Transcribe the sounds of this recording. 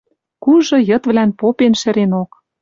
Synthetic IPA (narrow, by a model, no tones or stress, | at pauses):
kuʒɤ̆jɤ̆t̪βlænpopenʃɘ̆ɾenok